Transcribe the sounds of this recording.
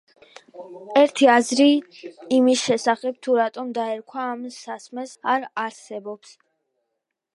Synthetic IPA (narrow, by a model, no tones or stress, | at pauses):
ɛɾt̪ʰiazɾiː | misʃɛsaχɛb̚t̪ʰuɾat̪ʼɔmd̪aɛɾkʰwaːmsasmɛsaɾaɾsɛbɔps